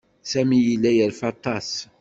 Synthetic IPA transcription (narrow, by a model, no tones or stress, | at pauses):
sæmijilːæjəɾfɑt̪ˤɑs